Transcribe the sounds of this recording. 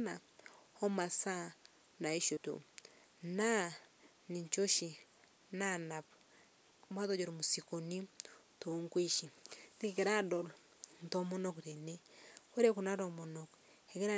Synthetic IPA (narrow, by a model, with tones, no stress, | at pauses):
na˨hɔ˦ma˨sa˦ | na˨e˦ʃo˨to̰˨ | na˦ | ni˨ɲt͡ʃo˦ʃi˨ | na˦na˨p | mwa˦to˨˦d͡ʒo˨ɾo˨mu˨si˨ko˨ni˦ | to˨ŋkwi˦ʃi˨ni˦kke˨ɾa˦dɔ˨l | n˨to˦mo˦nɔ˦kɾe˨ne˦ke˦ɾe˦ku˨na˦ɾɔ˨mo˨nɔ˨k | e˨ke˦ɾa˦